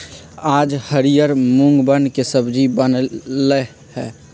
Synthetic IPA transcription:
aːd͡ʒhəɾijəɾmʊ̃ŋɡbənkesəbd͡ʒibənlə | hɛː

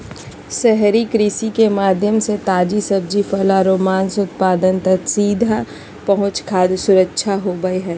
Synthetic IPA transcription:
sɛɦɾikɾisikemaːd̪ʱjəmset̪aːd͡ʒisɐb̚d͡ʒifɐlaɾoːmaːnsʊt̪paːd̪ənt̪ɐksiːd̪ʱa | pɐɦʊ̃t͡ʃkʰaːd̪sʊɾəkːʃʰaɦoːbəeɦɛː

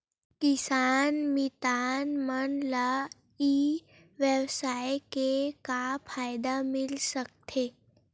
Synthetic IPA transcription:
kɪsaːnmɪt̪aːnmənla | i | ʋjəwsaːjkekapʰaːjd̪amɪlsək̚t̪ʰeː

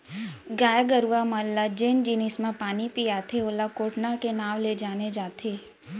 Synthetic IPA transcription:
ɡaːjaɡəɾuʋamalːad͡ʒend͡ʒinismãpaːnipijaːt̪ʰeoːlakoːʈnakenaːʋled͡ʒaːned͡ʒaːt̪ʰeː

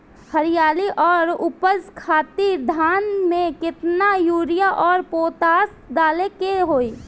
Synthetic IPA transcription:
həɾɪjaːliʔɔːɾʊpəzkʰaːt̪iːɾd̪ʱaːnmẽkɪt̪najuːɾɪjaʔɔːɾpoːt̪aːs | d̪aːlekeɦoːiː

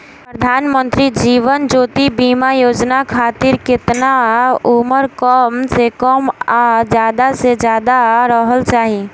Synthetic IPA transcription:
pɾəd̪ʱaːnmə̃nt̪ɾid͡ʒiːʋənd͡ʒoːt̪ibimajoːd͡ʒnakʰaːt̪ɪɾkɪt̪nauməɾkɔːmsekɔːmad͡ʒjaːd̪ased͡ʒjaːd̪aɾəɦəlt͡ʃaːɦi

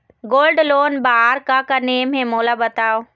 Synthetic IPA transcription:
ɡoːlɖloːnbaɦaːɾkakɐnem̤ẽmoːlabɐt̪aːoː

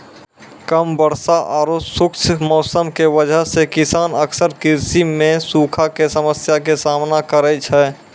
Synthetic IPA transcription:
kəmbəɾsaʔɔːɾosʊkt͡ʃʰmɔːsəmkeʋəd͡ʒʱəɦsekɪsaːnəksəɾkɪɾsimẽsuːkʰakesəməsjak̬esaːmnakəɾɛt͡ʃʰɛː

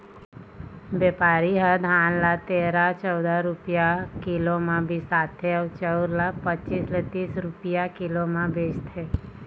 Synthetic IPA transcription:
ʋɛpaɾiɦəd̪ʱãːnlat̪eɾat͡ʃəwd̪aɾʊpjakɪlomãbʱisat̪ʰːeəʋt͡ʃəwɾlapət͡ʃislet̪iːsɾʊpijakɪlomãbʱed͡ʒt̪ʰe

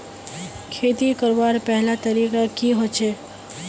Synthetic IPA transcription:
kʰeːt̪ikəɾʋaːɾpɛɦlat̪əɾiːkakiɦot͡ʃʰeː

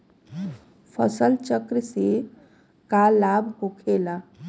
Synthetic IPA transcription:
pʰəsəlt͡ʃəkɾse | kalːabɦokʰela

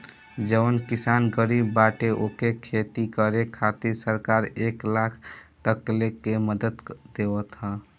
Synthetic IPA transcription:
d͡ʒəʋənkisanɡəɾibːaʈeʔokekʰet̪ikəɾekʰat̪iɾsəɾkaɾeklakʰt̪əklekeməd̪əd̪d̪ewət̪ɦə̃

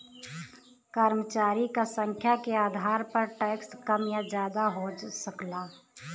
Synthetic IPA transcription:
kəɾmət͡ʃaːɾikasə̃ŋkʰjakeaːd̪ʱaːɾpɐɾʈɛːkskɐmjad͡ʒjaːd̪aɦosəklaː

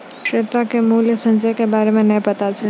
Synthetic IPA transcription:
ʃɾet̪akemuːljəsə̃nd͡ʒəjkebaːɾemẽnəĩpət̪at͡ʃʰi

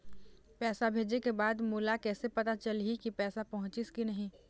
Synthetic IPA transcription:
pɛːsabʱeːd͡ʒekebaːd̪muːlakɛːsepɐt̪at͡ʃɐlɦikipɛːsapɐɦʊ̃t͡ʃɪskinɐɦĩː

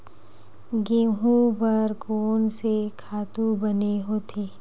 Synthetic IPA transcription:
ɡeːɦũbɐɾkoːnsekʰaːt̪ubɐneɦoːt̪ʰeː

